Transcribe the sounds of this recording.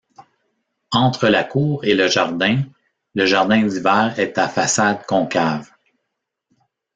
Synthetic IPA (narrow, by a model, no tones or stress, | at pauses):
ɑ̃ːt̪χəlakuːʁeləʒaʁd̪ɛ̃ | ləʒaʁd̪ɛ̃d̪ivɛːʁɛt̪afasad̪̚kɔ̃kav